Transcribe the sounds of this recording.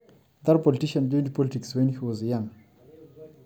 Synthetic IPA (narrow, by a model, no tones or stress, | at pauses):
d̪aɾpɔlitiʃãnduntpɔlitikswɛ̃nhiwɔzjãŋ